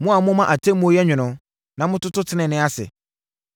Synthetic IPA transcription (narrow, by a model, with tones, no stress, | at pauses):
mʊ̃˦a˨mʊ̃˦mã˦ʔa˨tʰẽ˦mõ˦jɛ˦ɲᶣɪ̃˨nʊ̃˨˦ | nã˨mʊ̃˦tʊ˦tʊ˦tʰɪ˦nɪ̃˨nɪ̃˦a˦sɛ̰˨